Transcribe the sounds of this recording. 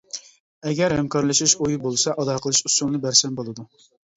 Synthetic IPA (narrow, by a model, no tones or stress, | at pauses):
ɛɡʲɛɾhɛmkʰɑɾlˠɨʃiʃojubolˠsɑʔɑd̪ɑqʰəlˠɨʃusuŋnɨbæɾsɛnbolˠɨd̪u